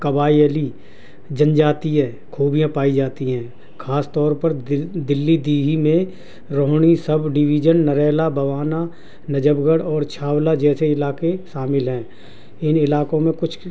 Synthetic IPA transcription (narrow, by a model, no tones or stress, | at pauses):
kəbaːiəli | d͡ʒə̃nd͡ʒaːt̪iɦɛ̃ː | kʰoːbijãpaːid͡ʒaːt̪iɦɛ̃ː | kʰaːst̪ɔːɾpəɾd̪ɪlːid̪iːɦimẽ | ɾoːɦɽ̃isəbɖɪʋiːd͡ʒənːəɾɛːlabʱɐʋaːna | nɐd͡ʒəbɡəɽɔːɾt͡ʃʰaːwlad͡ʒɛːseɪlaːkeʃaːmɪlɦɛ̃ː | ɪnɪlaːkõmẽkʊt͡ʃʰ